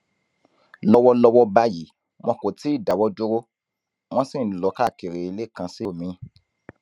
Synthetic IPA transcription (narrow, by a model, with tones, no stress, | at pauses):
lɔ˧wɔ˧lɔ˧wɔ˧ba˦ji˨˦ | mɔ̃˧ko˨ti˨˦˨da˨wɔ˧do˧ɾo˦ | w̃ɔ̃˦sĩ˦˨n̩˨lɔ˨˦ka˦˨ke˨ɾe˨i˨˧le˦˨kã˧si˦˨mĩ˨˦